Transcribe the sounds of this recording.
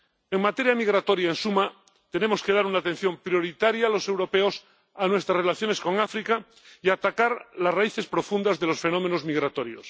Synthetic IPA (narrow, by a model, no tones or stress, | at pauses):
eŋmat̪e̞ɾjamiɣ̞ɾat̪o̞ɾjaensuma | t̪e̞ne̞mo̞ske̞ð̞aɾunaːt̪e̞n̟θjo̞mpɾjo̞ɾit̪aɾjaːlo̞se̞wɾo̞peos | anwe̞st̪ɾasrelaθjo̞ne̞sko̞ŋafɾika | iat̪akaɾlasraiθe̞spɾo̞fund̪azðe̞lo̞sfe̞no̞mẽno̞zmiɣɾat̪o̞ɾjo̰s